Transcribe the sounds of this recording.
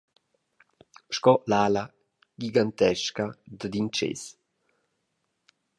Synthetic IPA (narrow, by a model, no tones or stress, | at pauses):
ʃkɔlaːla | ɡiɡant̪ɛʃkad̪əd̪int͡ʃḛs